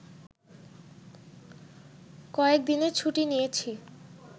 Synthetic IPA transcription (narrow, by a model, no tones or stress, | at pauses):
kɔek̚d̪inet͡ɕʰuʈinijet͡ɕʰi